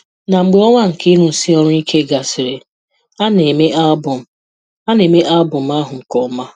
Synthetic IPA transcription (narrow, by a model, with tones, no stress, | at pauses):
na˨ŋ͡m̩˨ɡ͡be˨˦ɔ˦ŋʷa˦ŋ̩˨ki˦ɾu˨n̩˨si˦ɔ˦ɾʊ˦i˦kʰe˦ɡa˨sɪ˨ɾe˨ | a˦ne˨me˦a˦bʊ˨m˦ | a˦ne˨me˦ʔa˦bʊ˨m̩˦a˦ɦʊ˨ŋ̩˨kɔ˦ma˦